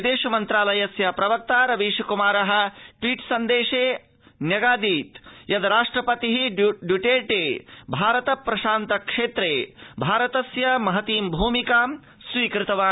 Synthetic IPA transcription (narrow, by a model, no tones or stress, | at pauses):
d̪eːʃɐmɐnt̪ɾaːlɐjɐsjɐpɾɐʋɐk̚t̪aːɾɐʋiːʃɐkumaːɾɐɦɐ̆ʈwiːʈsɐnd̪eːʂeː | njɐɡaːd̪iːt̪jɐd̪ɐɾaːʂʈɾɐpɐt̪iɦiɖjuʈeːʈeːbʱaːɾɐt̪ɐpɾɐʃaːnt̪ɐkʂeːt̪ɾeːbʱaːɾɐt̪ɐsjɐmɐɦɐt̪iːmbʱuːmikaːm | sʋiːkɾɪt̪ɐʋaː